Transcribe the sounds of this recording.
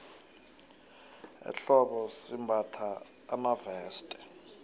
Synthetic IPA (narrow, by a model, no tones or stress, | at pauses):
ɛ̰ɬɔɓɔsimbʱatʰaː | mavɛːstʼɛ̥